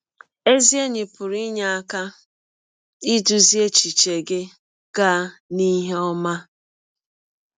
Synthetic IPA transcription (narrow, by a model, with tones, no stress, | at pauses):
e˦zi˦e˦ɲɪ˨pʊ˨ɾi˦ɲa˨a˦ka˦ | i˦du˨zi˦e˦t͡ʃi˨t͡ʃe˨ɡɪ˦ | ɡ̥a˦ni˦ɦe˦ɔ˦ma˦